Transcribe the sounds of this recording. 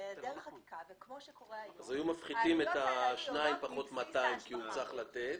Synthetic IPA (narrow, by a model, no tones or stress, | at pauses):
avkmoʃkoʁeazajumafχid̪ime̞t̪aʃnaimpaχo̞t̪mataimkiut͡saχlat̪et̪̚